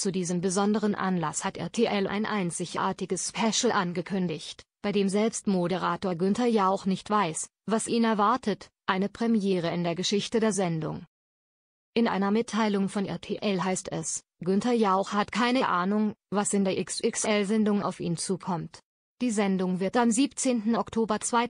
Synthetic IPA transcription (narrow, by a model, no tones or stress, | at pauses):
t͡sudiːzəmbəzɔndəʁ̞ənʔa̰nlashatʔɛ̰ɐtʰeːʔɛlʔa̰ɪnʔa̰ɪnt͡sɪçʔa̰ːɐtɪɡəsspʰɛʃl̩ʔanɡəkʰʏndɪçtb̥aɪdeːmzɛlpstmoɾəʁaːtoːɐɡʏntɐjaʊxnɪçtv̥aɪs | vasʔiːnɛɐvaɐtʰətʔaɪnəpʁ̥ɛmjeːʁ̞əɪndeːɐɡəʃɪçtədeːɐzɛndʊ̰ŋ | ʔɪnʔa̰ɪnɐmɪtʰːaɪlʊŋfɔnʔɛ̰ɐtʰeːʔɛlɦaɪstɛ̰s | ɡ̥ʏntɐjaʊxhatkʰaɪnəʔaːnʊŋvasɪndeːɐʔɪksʔɪksʔɛlzɛndʊŋa̰ʊfḭːnt͡suːkʰɔmt | d̥iːzɛndʊŋvɪɐtamziːpt͡seːntn̩ɔktʰoːbɐt͡sv̥aɪ